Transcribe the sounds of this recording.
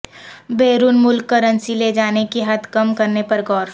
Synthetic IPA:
beːɾunmʊlkːəɾə̃nsiled͡ʒaːnekiɦɐt̪kɐmkɐɾnepɐɾɡɔːɾ

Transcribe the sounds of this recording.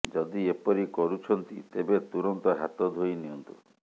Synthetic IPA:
d͡ʒɔd̪iepɔɾikɔɾut͡ʃʰɔnt̪it̪ebet̪uɾɔnt̪ɔɦat̪ɔd̪ʱojniɔnt̪u

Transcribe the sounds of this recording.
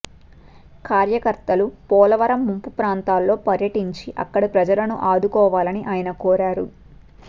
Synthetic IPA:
kaːɾjɐkɐɾt̪ɐlupɔːlɐʋɐɾɐmːumpupɾaːnt̪aːlːo̞ːpɐɾjɐʈiɲt͡ʃiʔɐ̰kːɐɽipɾɐd͡ʒɐlɐnuʔaːd̪ukɔːʋaːlɐniʔaːjɐnɐkɔːɾaːɾu

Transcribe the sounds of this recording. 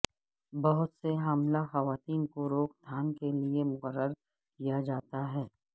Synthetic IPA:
bɐɦʊt̪seɦɐmlaxɐʋaːt̪iːnkoɾoːkd̪ʱaːnkeliemʊqəɾːəɾ | kijad͡ʒaːt̪aɦɛː

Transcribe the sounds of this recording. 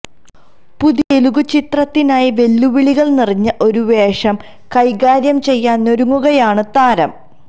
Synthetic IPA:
puðieluɣut͡ɕit̪rɐt̪ːinaːjiʋe̞lːuʋiɭiɣɐɭniriɲːɐʔo̞ɾuʋe̞ːʂɐm | kɐjɣaːɾjɐmt͡ɕe̞jːaːnno̞ɾuŋːuɣɐjaːɳɨt̪aːɾɐm

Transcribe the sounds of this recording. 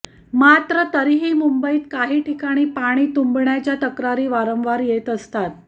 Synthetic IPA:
mat̪ɾət̪əɾiɦiːmumbəiːt̪kaɦiːʈʰikaɽ̃iːpaɽ̃iːt̪umbɳjat͡ɕjat̪əkɾaɾiːʋaɾəmʋaɾjet̪əst̪at̪̚

